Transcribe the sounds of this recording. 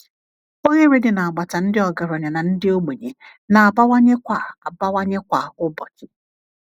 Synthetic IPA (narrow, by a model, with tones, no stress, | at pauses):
o˦ɲe˦ɾe˦dɪ˨na˨a˨ɡ͡ba˨ta˨n̩˦dɪ˦ɔ˨ɡa˨ɾɔ˨ɲa˨na˨n̩˦dɪ˦o˦ɡ͡be˨ɲe˨ | na˨a˨ba˦wa˦ɲe˦kʷa˨a˨ba˦wa˦ɲe˦kʷa˨ʊ˦bɔ˨tɪ˦